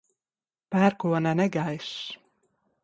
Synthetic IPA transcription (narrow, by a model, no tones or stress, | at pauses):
pæːɾkuɔnænɛɡajʃ